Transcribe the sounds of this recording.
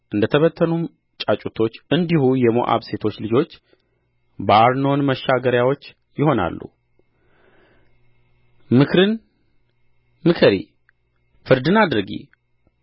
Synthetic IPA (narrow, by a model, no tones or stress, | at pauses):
ʔɨnd̪ət̪ʰəβət̪ʰːənum | t͡ʃʼat͡ʃʼut̪ʰo̞t͡ʃːɨnd̪ihujɛmo̰ʔa̰βse̞t̪ʰo̞t͡ʃːlɨd͡ʒo̞t͡ʃː | bəaɾno̞nməʃːaɡəɾjawo̞t͡ʃː | jɪho̞na̰lːṵ | mɨkʰɾɨn | mɨkʰɨɾḭ | fɨɾd̪ɨnad̪ɨɾɡḭ